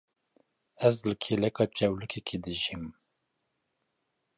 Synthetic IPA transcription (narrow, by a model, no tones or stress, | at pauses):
ɛzlɨkʰeːlɛkɑt͡ʃɛwlɨkʰɛkʰed̪ɨʒim